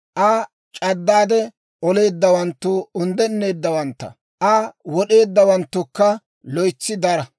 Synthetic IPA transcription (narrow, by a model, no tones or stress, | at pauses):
ʔɐ | t͡ʃʼɐd̪ːaːd̪ɛ | ʔɔle̞ːd̪ːɐwɐnt̪ːʊʊnd̪ɛnːe̞ːd̪ːɐwɐnt̪ːɐ̰ | ʔɐwɔɗe̞ːd̪ːɐwɐnt̪ːʊkːɐ | lɔjt͡sːɪd̪ɐɾɐ